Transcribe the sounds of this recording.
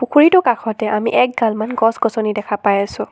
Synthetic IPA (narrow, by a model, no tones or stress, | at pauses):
pukʰuɹitʊkakʰɔtɛʔamiʔɛk̚ɡalmanɡɔsɡɔsɔnidɛkʰapajasʊ̃